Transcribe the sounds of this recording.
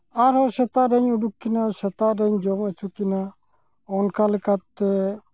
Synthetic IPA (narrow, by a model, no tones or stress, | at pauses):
aɾɦɔsɛt̪aʔɾɛɲuɖukːinasɛt̪aʔɾɛɲd͡ʒɔmət͡ʃukina | ɔnkalɛkat̪ːɛ